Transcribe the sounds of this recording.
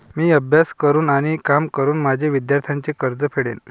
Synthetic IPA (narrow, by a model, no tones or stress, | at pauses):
miːəbʱjaskəɾuːnaɽ̃ikamkəɾuːnmad͡ʑʱeʋid̪jaɾt̪ʰjaɲt͡ɕekəɾd͡zəpʰeɽḛn